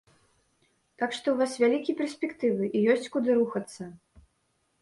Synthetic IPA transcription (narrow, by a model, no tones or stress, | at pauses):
t̪akʂt̪ɔwvasvʲalʲikʲipʲɛrsʲpʲɛkt̪ɨvɨʔijɔsʲt͡sʲkud̪ɨɾuxɐt̪sːɐ